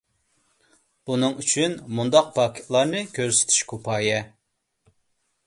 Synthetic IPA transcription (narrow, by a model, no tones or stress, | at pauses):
b̥unɨŋyt͡ʃʰynmund̪ɑq̚pʰɑːkʲʰi̥t̪lˠɑɾnɨkʲʰøɾsɪ̥t̪ʰy̥ʃkʰopʰɑːjɛ